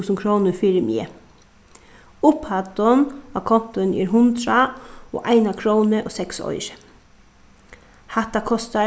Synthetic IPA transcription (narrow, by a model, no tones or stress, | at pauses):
usən̩kʰɾoːnəfiːɾəmḭə̰ | ʊphat̪ɔnakʰɔn̥t̪ʊɪnḭːɾɦʊnd̪ɾao̰ːʔaɪnakʰɾownəʔoːsɛksɔ̰ʏɾə̥ | hat̪akʰɔst̪a